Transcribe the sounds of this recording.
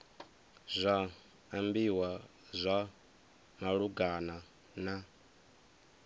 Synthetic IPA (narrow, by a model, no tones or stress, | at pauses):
zʷaː | mbiwa | zʷa | maɺuɡana | na